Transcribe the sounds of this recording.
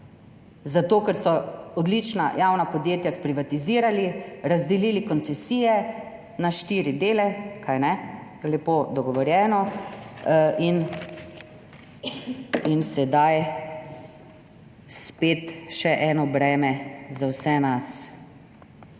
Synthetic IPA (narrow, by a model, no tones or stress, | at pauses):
zat̪oːkɛɾsɔɔd̪lit͡ʃna̰jawnapɔd̪jeːt̪jaspɾiʋat̪iziːɾaliɾazd̪ɛliːlikɔnt̪sɛsiːjɛ | naʃt̪iːɾid̪eːlɛkʰajnɛ | lɛpod̪ɔɡɔʋɔɾjɛːnɔ | in | insɛd̪aj | speːt̪ʃɛʔɛːnɔbɾɛːmɛzawsɛnas